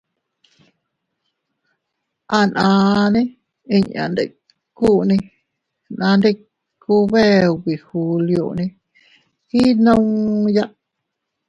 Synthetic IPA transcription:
ʔa˧nʔãː˧nĩ˦ | i˨ɲã̰˨nd̪e˨ | ku˦ʔnĩ˧ | nã˧nde˦˧ | kʰu˧βe˦wi˨hu˨ljo̰˨nĩ˧ | i˦nə̃˦˧ŋja˦˧ʔ

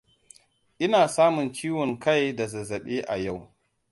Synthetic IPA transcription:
ʔɪ˦naː˨saː˦mʊ˨nt͡ʃiː˦wɔ˨ŋkʰa˦˨jda˨zɐ˨zɐ˨ɓeː˦ʔa˨ja˦˨w

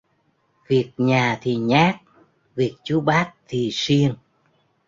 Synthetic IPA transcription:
vi˨˩ək̚ɲaː˨˩t̪ʰi˨˩ɲaː˦˥k̚ | vi˨˩ək̚t͡ɕu˨˦ɓaː˦˥t̚t̪ʰi˨˩si˧ən

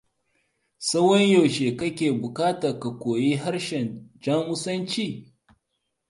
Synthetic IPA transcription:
sɐ˦wɐ˦ɲjɐ˨wʃeː˨kɐ˦kʲeː˨bʊ˨kaː˦ta˨ka˨kʷoː˨jiː˦ɦa˦rʃɛ˨nd͡ʒa˦mʊ˦sɐ˦nt͡ʃiː˦

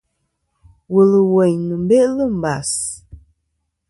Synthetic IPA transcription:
wə˨lə˨wɛ˨ɲnɨ˨m˦be˦ʔlə˦˨m̩˨ba˨s

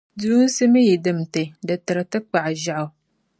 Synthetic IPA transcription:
duː˦n̩˦sɨ˦mɨ˦ji˨dɨ˨m̩˨tɨ˨dɨ˨tɨ˨ɾɨ˨tɨ˦k͡pa˨ʔʒa˨ʔʊ˨

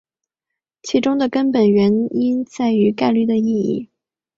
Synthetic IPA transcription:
t͡ɕʰi˧˥ʈ͡ʂʊ˥ŋd̪ə˨kə˥npə˨˩nɥɛ˧˥ni˥nt͡sa˥˩ɪy˧˥ka˥˧ɪly˥˩d̪ə˩i˥˧ḭ˥˩

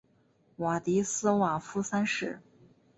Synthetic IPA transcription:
wa˨˩t̪i˧˥sɹ̩˥wa˨˩fu˥sa˥nʂɻ̩˥˩

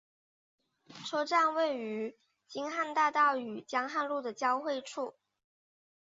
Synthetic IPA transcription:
ʈ͡ʂʰɤ˥ʈ͡ʂa˥˧nwe˥˩ɪy˧˥ | t͡ɕi˥ŋxa˥˧nt̪a˥˧t̪ɑ˥˩ʊy˨˩t͡ɕjɑ˥ŋxa˥˧nlu˥˩d̪ə˩t͡ɕjɑ˥ʊxwe˥˧ɪʈ͡ʂʰu˥˩

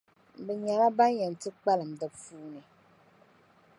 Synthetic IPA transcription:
bɛ˨ɲa˨la˦ba˦n˦jɛ˨n˨tɨ˦k͡pa˦lɨ˨m˨dɨ˨fuː˦ni˨

